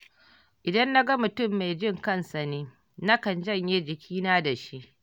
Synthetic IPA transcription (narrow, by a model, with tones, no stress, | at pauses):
ʔɪ˨dɐ˦nːa˦ɡɐ˦mʊ˨tʊ˦˨mːa˨jd͡ʒɪ˦ŋkɐ˦˨nsa˨neː˦ | na˦kɐ˨nd͡ʒɐ˦˨ɲjeː˦d͡ʒɪ˨kʲiː˦naː˦da˨ʃi˦ʔ